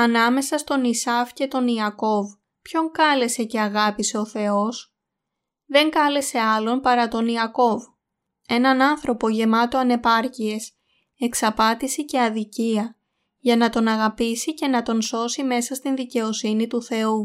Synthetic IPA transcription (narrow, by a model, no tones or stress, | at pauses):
ɐnɐme̞sɐst̪o̞nisɐfce̞t̪o̞niɐko̞v | pço̞ŋkɐle̞se̞ce̞ɐɣɐpiseo̞θe̞o̞s | ðe̞ŋkɐle̞se̞ɐlo̞mpɐɾɐt̪o̞niɐko̞v | e̞nɐnɐnθɾo̞po̞ʝe̞mɐt̪o̞ɐne̞pɐɾcie̞s | e̞ksɐpɐt̪isice̞ɐðiciɐ | ʝɐnɐt̪o̞nɐɣɐpisice̞nɐt̪o̞nso̞sime̞sɐst̪inðice̞o̞sinit̪uθe̞u